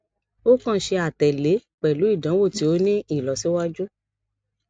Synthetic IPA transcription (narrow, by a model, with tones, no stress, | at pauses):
o˦kã˦˨ʃe˧a˨tɛ˨le˨˦k͡pɛ˨lu˨˦i˦˨dã˨˦wo˦˨ti˨˦o˧˦nĩ˦i˦˨lɔ˨si˦wa˦d͡ʒu˦